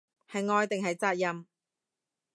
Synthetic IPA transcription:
hɐ˨jŋɔː˧jt̪ɪ˨ŋɦɐ˨jt͡saː˧t̚jɐ˧m

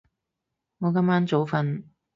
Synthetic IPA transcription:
ŋɔː˨˧kɐ˥maː˥nt͡so˨˧wfɐ˧n

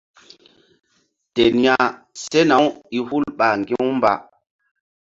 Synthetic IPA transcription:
te˨nja˨ | se˦na˨wi˨hu˦lɓa˨ŋɡi˦wmba̰˨

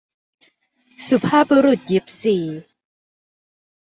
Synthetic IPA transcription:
su˨˧˩pʰaː˥˨bɔ˧ɾu˨˩t̪̚ji˨˦p̚siː˨˩

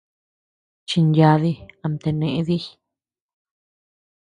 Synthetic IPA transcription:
t͡ʃi˧nja˧˦ði˧a˧nt̪e˧nẽ˨ʔe˧˦ði˦

